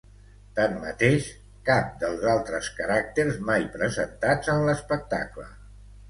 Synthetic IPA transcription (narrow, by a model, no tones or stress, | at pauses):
t̪amːət̪eʃ | kap̚d̪əlˠzalˠt̪ɾəskəɾak̚t̪eɾzmajpɾəzənt̪ad͡zənləspək̚t̪a̰klə̰